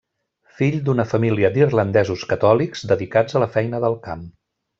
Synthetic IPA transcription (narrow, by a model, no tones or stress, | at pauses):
fiʎd̪unəfəmiliəd̪irlənd̪ɛzuskət̪ɔlikz̥d̪əðikad͡zələfɛjnəðəlˠkam